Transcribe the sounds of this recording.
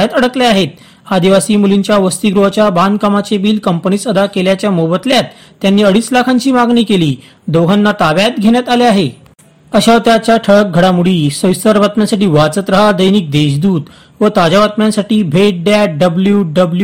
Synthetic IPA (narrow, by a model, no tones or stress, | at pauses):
ət̪əɽəkleaɦet̪̚ | ad̪iʋasiːmuliɲt͡ɕjaʋəst̪iɡɾuɦat͡ɕjaband̪kamat͡sebiːlkəmpənisəd̪akeljat͡ɕjamobət̪ljat̪ː | janːiːəɽiːslakʰãɲt͡ɕiːmaɡniːkeliː | d̪oɡʱanːat̪aʋjat̪ɡʱeɳ̃jat̪aleaɦe | əɕaʋt̪jat͡ɕjaʈʰəɭək̚ɡʱəɽamuɽiːsəwsəɾʋat̪mjasaʈiːʋat͡sət̪ɾəɦad̪əjniːk̚d̪eɕd̪uːt̪ | ʋət̪ad͡ʑaʋat̪mjãnsaʈiːbʱeʈ̚ɖjaʈ̚ɖəbljuɖəblju